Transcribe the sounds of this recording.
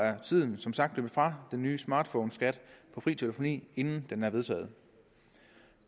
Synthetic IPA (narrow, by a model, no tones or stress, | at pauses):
æɐt͡sʰið̰ˠn̩sɒ̽msɑ̈ɡ̥̚d̥løb̥əfʁɑ̈d̥enːyːəsmɑ̈ːd̥fɔʊnsɡ̥æd̥pʰɒ̽fʁḭːt͡sʰeləfo̝nḭːe̝nn̩d̥enæɐʋe̝ð̞ˠt͡sʰɛ̰ːð̞̩ˠ